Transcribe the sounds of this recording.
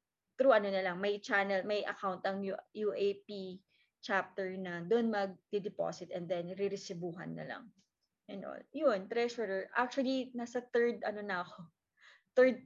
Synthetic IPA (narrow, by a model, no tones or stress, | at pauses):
t̪ɾuʔɐnonɐlɐŋmɐjt͡ʃanɛlmɐjʔɐ̰kawnt̪ɐŋjujuʔejpi | t͡ʃap̚t̪ɛɹnɐd̪oʔnmɐɡ̚d̪̥ɪd̪ɪpo̰sɪt̪ʔɛnd̪ɛnɾɪɾɪsɪbuːɦɐ̰nːɐ̰lɐ̰ŋ | ʔɛnʔo̰ljont̪ɾɛʃɔɾɛɹʔak̚t͡ʃuɐlinasɐt̪ɛɹd̪ɐno̞nɐɐko̞ | t̪ɛɹd̪̚